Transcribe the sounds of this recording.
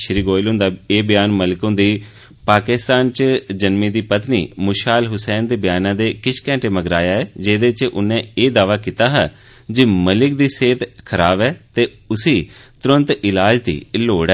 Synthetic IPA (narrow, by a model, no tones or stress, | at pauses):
ʃɾiːɡoːɪlɦʊ̃ːnd̪aːeːbɪjaːnməlɪkõːd̪iː | paːkɪst̪aːnt͡ʃd͡ʒənmĩːd̪iːpət̪niːmʊʃaːlɦʊsɛːnd̪eːbɪjaːnãːd̪eːkɪʃkɛ̃ːɳʈeːməɡɾaːjaːɛːd͡ʒeːd̪eːt͡ʃʔʊnẽːeːd̪aːʋaːkiːt̪aːɦaː | d͡ʒɪməlɪkd̪iːseːt̪kʰəɾaːbɛːt̪eː | ʊsiːt̪ʊɾənt̪ɪlaːd͡ʒd̪ḭːloːɽɛː